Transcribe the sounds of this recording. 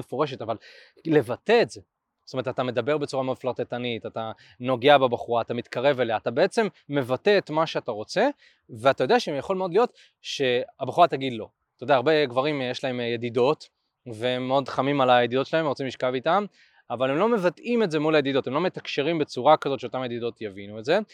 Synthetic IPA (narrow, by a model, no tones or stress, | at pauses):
efoʁe̞ʃ̬e̞taval | le̞vat̪eːtze̞ | sotomeet̪atame̞d̪abe̞ʁbe̞t͡suʁameod̪flaʁt̪et̪anitata | no̞ɡeabebaχuʁaːt̪amit̪kaʁe̞veleatabe̞et͡se̞mːe̞vate̞ːt̪maʃeataʁo̞t͡se̞ | veatajodeaʃeemjaχo̞lmeo̞d̪lijo̞t̪ | ʃe̞abaχuʁataɡid̪lo̞̰ | t̪ajd̪eaːʁbeɡvaʁimjeʃlae̞mjed̪ido̞t | veemːeo̞d̪χamimalajed̪id̪ott͡ʃelahevemʁot͡simliʃkavitam | avale̞mlo̞me̞vatime̞tze̞mulajed̪idotemlo̞me̞t̪akʃeʁimbe̞t͡suʁakazo̞tʃeo̞t̪amaje̞d̪id̪o̞tjavinuetze̞